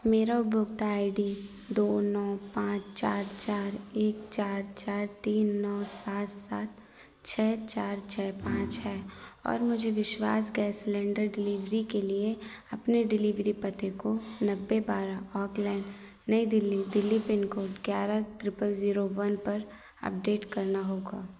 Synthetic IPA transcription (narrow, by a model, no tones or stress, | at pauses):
meːɾaʊbʱʊɡ̚t̪aːɪɖiː | d̪oːnɔːpãːt͡ʃt͡ʃaːɾt͡ʃaːɾeːkt͡ʃaːɾt͡ʃaːɾt̪iːnːɔːsaːt̪saːt̪̚ | t͡ʃʰɛːt͡ʃaːɾt͡ʃʰɛːpãːt͡ʃɦɛːɔ̰ːɾmʊd͡ʒʱeʋɪʃwa̰ːsɡɛːslɛ̃ːɳɖəɾɖɪliʋɾikelie | ɐpneɖɪliʋɾipɐt̪ekonɐbːebaːɾaɔːklɛːɪɳɖ | nɐid̪ɪlːid̪ɪlːipɪnkoːɖɡjaːɾat̪ɾɪpəlziːɾoʋɐnpɐɾ | ɐ̰p̚ɖeːʈkɐɾnaɦoːɡaː